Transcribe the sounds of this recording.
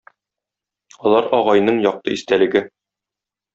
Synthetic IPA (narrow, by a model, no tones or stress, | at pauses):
ɒlˠɑɾɒʁɑjnɤɴjɒq̚t̪ɤist̪ælɘ̆ɡɘ